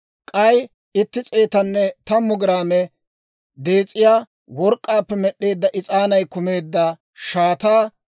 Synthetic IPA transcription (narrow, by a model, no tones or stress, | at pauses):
kʼɐj | ɪt̪ːɪt͡sʼeːt̪ɐnːɛt̪ɐmːʊɡɪɾaːmɛ | d̪e̞ːt͡sʼːɪjaː | wɔɾkʼːaːpːɛmɛɗːe̞ːd̪ːɐʔɪt͡sʼaːnɐjkʊmeːd̪ːɐ | ʃaːt̪aː